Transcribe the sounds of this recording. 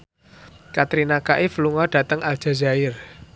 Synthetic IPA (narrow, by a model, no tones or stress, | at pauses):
kat̪ɾinakaʔɪfluŋɔɖ̥a̤t̪əŋʔal̥ʒ̥a̤zaɪr